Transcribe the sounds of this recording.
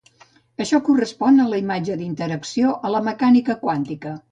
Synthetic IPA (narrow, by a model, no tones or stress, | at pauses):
əʃɔkurəspɔnələimad͡ʒəd̪int̪əɾəksioʔələməkanikəkwant̪ikə